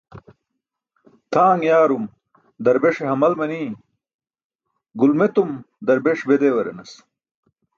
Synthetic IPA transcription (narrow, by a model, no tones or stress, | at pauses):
t̪ʰaːŋjaːɾum | d̪ɐɾbeʂeɦɐmɐlmɐniː | ɡulmet̪um | d̪ɐɾbeʂbed̪eːwɐɾḛnɐs